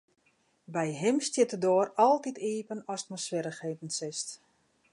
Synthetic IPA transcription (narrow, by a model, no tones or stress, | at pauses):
bɛjɦɪmstjɪtədoːəɾɔlˠtitiːpənɔstmɔsfɪɾəxheːtən̩sɪst